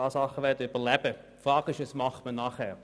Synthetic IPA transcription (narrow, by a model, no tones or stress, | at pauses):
ɑːsɑχəʋɛɐdəyb̥əlɛb̥ə | fʁɑːkɪʃəsmɑχtmənɑχhɛːʁ